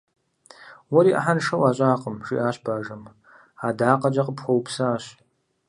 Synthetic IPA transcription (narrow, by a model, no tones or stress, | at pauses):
wɔɾiːʔɐ̰ħanʂɐwaːɕʼaːqəmʒḭːʔaːɕbaːʒɐm | aːdaːqɐd͡ʒɐqəpxʷɔwpsaːɕ